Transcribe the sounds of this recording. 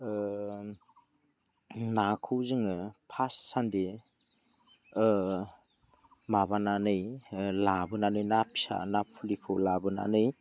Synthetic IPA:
nakʰɯwzɯŋɯpʰasːandi | mabananɯjlabɯnanɯjnapʰi̥sa̰napʰːulikʰɯwlabɯna̰nɯj

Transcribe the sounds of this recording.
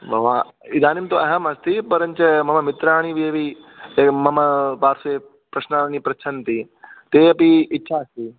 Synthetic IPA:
bɐʋa | ɪd̪aːnimt̪oɐɦəmɐst̪ipɐɾəɲt͡ʃɐmɐmɐmɪt̪ɾaːɽ̃iʋieʋi | emɐməpaːɾse | pɾɐʃnaːnipɾɐt͡ʃʰənt̪iː | t̪eːɐpiɪtːʃʰaɐst̪iː

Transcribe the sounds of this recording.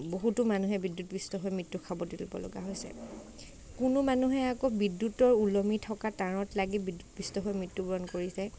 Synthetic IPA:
boɦutʊmanuɦɛbidːutbistɔɦojmitːukʰabɔdilbɔ̰lɔ̰ɡa̰ɦojsɛ̰ | kʊnʊmanuɦɛakɔbidːutɔɹulɔmitʰɔkataɹɔtlaɡibidutbistɔɦojmɹitːubɹɔnkoɹisɛ

